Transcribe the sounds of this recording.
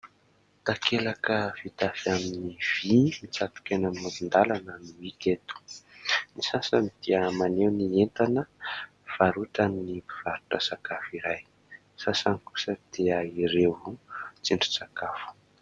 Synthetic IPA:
t̪akʰelakəvit̪afiaminiv̥imit͡sat̪u̥kenəmmad̪und̪alanənuiket̪u̥nisasamit̪iamanewnient̪anə | v̥aɾutanːiiv̥aɾuʈ͡ʂəsakafiɾaj | sasaniku̥səd̪̥eaiɾevut͡siɳɖ͡ʐu̥t͡sakafu̥

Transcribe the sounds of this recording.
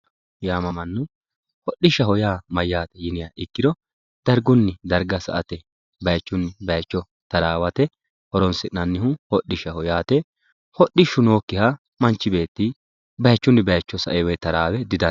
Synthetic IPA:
jaːmɐmɐnːʊ | hɔɗːɪʃɐhɔjaːmɐjːaːt̪ɛjɪnɪjaʔɪkːɪd̪ɔ | d̪̥ɐɾɡʊnːɪd̪ɐɾɡɐsɐ̰ʔɐt̪ɛ | bɐjt͡ʃːʊnːɪbɐjt͡ʃːɔ | t̪ɐɾaːwɐt̪ɛ | hɔɾɔnsɪnɐnːɪhʊhɔɗːɪʃɐhɔjaːt̪ɛ | hɔɗːɪʃʊno̞ːkːɪha | mɐnt͡ʃːɪbe̞ːt̪ːɪ | bɐjt͡ʃːʊnːɪbɐjt͡ʃːɔsɐ̰ʔɛwɛt̪ːɐɾaːwɛd̪ɪd̪ɐn

